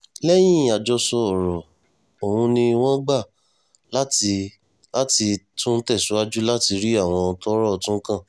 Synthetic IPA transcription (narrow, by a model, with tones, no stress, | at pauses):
lɛ˦j̃ĩ˦˨a˨d͡ʒɔ˧sɔ˧ɔ˨ɾɔ˨ | o˨hũ˧nĩ˧w̃ɔ̃˦ɡ͡ba˦˨ | la˦ti˧ | la˦ti˧tũ˦n̩˦tɛ˦˨su˨˦a˦d͡ʒu˦la˦ti˧ɾi˦a˦˨w̃ɔ̃˧tɔ˦ɾɔ˦˨tũ˦kã˦˨